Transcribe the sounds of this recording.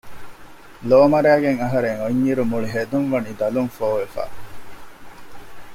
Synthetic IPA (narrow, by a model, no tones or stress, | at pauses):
loːmɐɾæːɡeŋɐɦɐɾeŋoɲːiɾumuɭiɦed̪uŋʋɐniːd̪ɐluŋfoːʋefa̰ː